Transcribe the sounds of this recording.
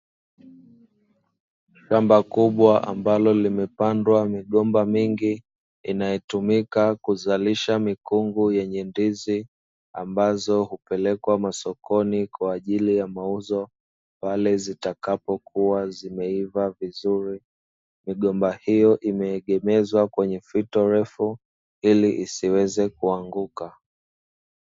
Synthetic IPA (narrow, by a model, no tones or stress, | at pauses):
ʃambakuɓwaʔa̰mbalɔlimɛpandwamiɠɔmbamiŋɡiː | najɛtumikakuzaliʃamikuŋɡujɛɲɛndizi | ambazɔhupɛlɛkwamasɔkɔnikwaːʄilijamauzɔ | palɛzitakapɔkʰuwazimɛivavizuɾi | miɠɔmbahijɔʔimɛːɠɛmɛzwakwɛɲɛfitɔɾɛfu | iliʔisiwɛzɛkuaŋɡuka